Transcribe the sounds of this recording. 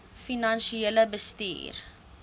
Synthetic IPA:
finɐnʃieləbəstḭːr

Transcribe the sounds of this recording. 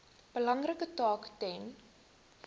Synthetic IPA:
b̥əlɐŋrəkətɑːktɛn

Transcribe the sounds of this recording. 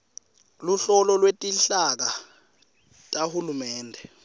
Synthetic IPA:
luɬɔlɔlwetʼiɬak̬a | tʼahulumɛːndʱɛ

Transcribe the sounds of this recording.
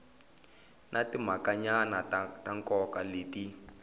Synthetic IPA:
nʔatim̤akaɲanataŋkɔkaleːti

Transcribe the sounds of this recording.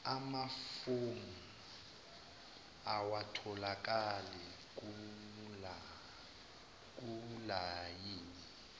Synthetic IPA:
amafoŋu | awatʰɔlak̬ʼalɛku | k̬ʼulajiːni

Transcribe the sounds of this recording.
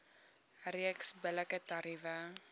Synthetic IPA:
riəksbələkətɐɾivə

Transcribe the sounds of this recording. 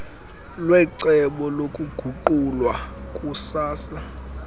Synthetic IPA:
lwɛǀɛɓɔlokʼuɡ̥ʱuǃulwakʼusaːsa

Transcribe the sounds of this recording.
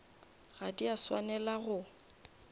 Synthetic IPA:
ɣadiaswa̰nɛlaɣʊ

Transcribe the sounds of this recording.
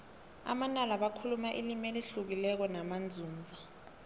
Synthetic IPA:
a̰manalaɓakʰulumaʔilimɛliɬuk̬ilɛk̬ɔnamand͡zʱuːnd͡zʱi

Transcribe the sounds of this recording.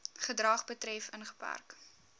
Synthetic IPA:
χədrɑːχbətɾɛfənχə̥pæ̰rk

